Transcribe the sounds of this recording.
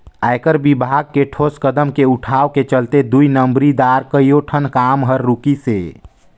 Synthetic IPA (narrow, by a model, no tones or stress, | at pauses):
ajkəɾbibʱaɡ̚keʈʰoskəd̪əmkeuʈʰaːʋket͡ʃəlt̪ed̪uinəmbɾid̪aːɾkəijoʈʰənkaːmɦəɾːukise